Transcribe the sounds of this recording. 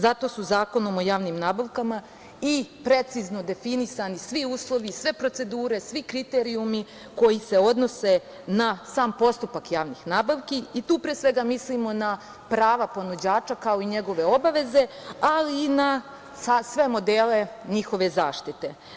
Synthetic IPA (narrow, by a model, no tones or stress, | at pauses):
zat̪o̞suzaːko̞nomo̞jaːʋniːmnaːbaʋkama | ipɾe̞t̪sizno̞d̪e̞finisanisʋiuːslˠo̞ʋisʋe̞pɾo̞t̪se̞d̪uːɾe̞sʋikɾit̪e̞ɾiumi | ko̞jise̞o̞d̪no̞se̞ | nasaːmpo̞st̪upakjaːʋnixnaːbaʋkiit̪uːpɾesʋe̞ɡamislimo̞na | pɾaːʋapo̞nud͡ʑaːt͡ʃakao̞iɲe̞ɡo̞ʋe̞o̞baʋe̞ze̞ | aliːna | sasʋe̞mo̞d̪eːle̞ɲixo̞ʋe̞zaːʃt̪it̪e